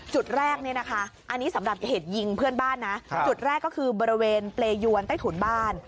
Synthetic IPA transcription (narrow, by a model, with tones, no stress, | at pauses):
t͡ɕu˨˩t̪̚ɾɛː˥˩k̚ni˥˩əna˦˥kʰa˦˥ʔa˧nːiː˦˥sa˩˦mɾa˨˩p̚t͡ɕa˨˩heː˨˩t̪̚ji˧ŋpʰɯ˥˩ənbaː˥˩nːa˦˥t͡ɕu˨˩t̪̚ɾɛː˥˩kːɔː˥˩kʰɯː˧bɔː˧ɾi˧weː˧npleː˧ju˧ənt̪a˥˩t̪ʰu˨˩˦nbaː˥˩n